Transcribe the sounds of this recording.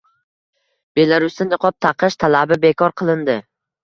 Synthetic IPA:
b̥e̞laɾʊst̪ɪnɨqʰɒp̚t̪ʰaqʰɨʃt̪ʰalabɪbe̞kʰɒɾqʰɨlˠɪnd̪ɪ

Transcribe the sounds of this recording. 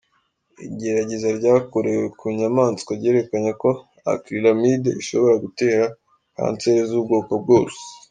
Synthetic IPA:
ḭɟe̞ɾaɟezaɾɟaːkoɾewekʰuɲamaːnt͡skaɾɟe̞ːɾe̞kaɲako̞ | a̰kɾiɾamidḛʔiʃo̞βo̞ɾaɡute̞ːɾa | ka̰ːnt͡se̞ːɾezuːbɡo̞ːkob̚ɡo̞ːse̥

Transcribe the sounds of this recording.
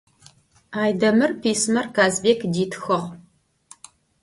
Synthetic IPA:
aːjdɐmɨrpʰiːsmɐrkaːzbeːkdiːtʰxɨʁ

